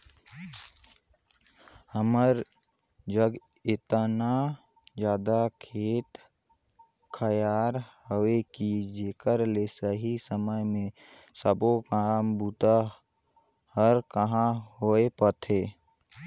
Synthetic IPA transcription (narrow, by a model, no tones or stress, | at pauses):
həməɾ | d͡ʒəɡ | ɪt̪əna | d͡ʒjaːd̪akʰeːt̪ | kʰəjaːɾhowekid͡ʒeːkəɾlesəɦisəməjmẽsəbokaːmbuːt̪a | həɾkəɦãɦoːepət̪ʰeː